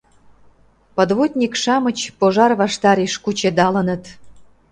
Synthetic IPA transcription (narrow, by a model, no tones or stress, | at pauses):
pə̆d̪βut̪ʲnʲikʃɑmə̆t͡ɕpoʒɑrβɑʃt̪ɑɾeʃkut͡ɕed̪ɑlə̆nə̆t̪